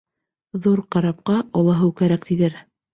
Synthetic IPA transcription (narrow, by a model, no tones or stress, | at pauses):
ðuɾqɑɾɑp̚qɑɑlˠɑɦɤwkæɾæk̚t̪iðɘɾ